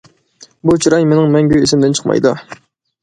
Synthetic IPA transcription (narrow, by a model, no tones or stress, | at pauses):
but͡ʃʰiɾɑjmenɪŋmɛŋɡʲyisɪmd̪ɪnt͡ʃʰə̥qmɑ̰jd̪u